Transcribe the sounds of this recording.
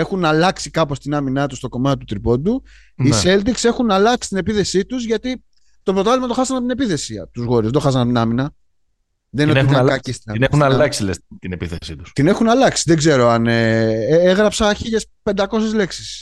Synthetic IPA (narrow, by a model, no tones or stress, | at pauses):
exunɐlɐksikɐpo̞st̪inɐminɐt̪ust̪o̞ko̞mɐt̪it̪ut̪ɾipo̞d̪u | nisse̞ld̪ikse̞xunɐlɐksi̥t̪ine̞piθe̞sit̪uzʝɐt̪i | t̪o̞pɾot̪ɐlimɐt̪o̞xɐsɐnɐp̚t̪ine̞piθe̞siɐt̪uzɣo̞ɾizðed̪o̞xɐs̬ɐnɐp̚t̪inɐminɐ | ðeninonɐist̪ɐnexunɐlɐksilest̪inepiθesit̪u̥st̪ine̞xunɐlɐksi̥ðeɡze̞ɾo̞ɐneeɣɾɐpsɐçiʝe̞spe̞nd̪ɐko̞sezle̞ksi̥s